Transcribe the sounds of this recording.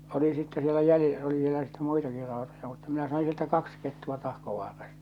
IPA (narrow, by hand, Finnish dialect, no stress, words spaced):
oli sitːe sielæ jæli oli ʋielæ sitːe̥ muitɑki rɑˑotojɑ mutːɑ minæ sɑĩː sieltæ kɑks ketːuɑ tɑhkoʋɑːrɑstɑ̥